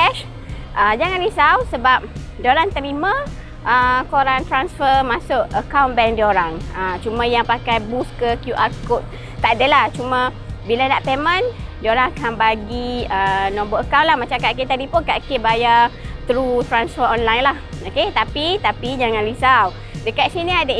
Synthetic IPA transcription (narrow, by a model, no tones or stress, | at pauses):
ɛʃ | ʔəd͡ʒaŋãnlisawsəbap̚ | dioɾaŋt̪əɾimə̃ | ʔəkoɾaŋt̪ɾansfəmasʊʔəkawnbɛŋdioɾaŋət͡ʃumãjaŋpakajbuskəkjuʔarkot̪̚ | t̪adəlaht͡ʃumə̃ | bilanaʔpemə̃ndioɾaŋakanbaɡiənɔ̃mbəəkawnlahmat͡ʃakaʔket̪adipunkaʔkebajat̪ɾut̪ɾansfəɾɔnlajnlahoket̪apit̪apid͡ʒaŋanlisaw | dəkat̪siniada